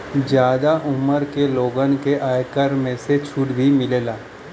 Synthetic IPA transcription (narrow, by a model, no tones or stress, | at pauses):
d͡ʒjaːd̪aʔʊməɾkeloːɡənkeʔaːjkəɾmẽset͡ʃʰʊɽbʱimɪleːlaː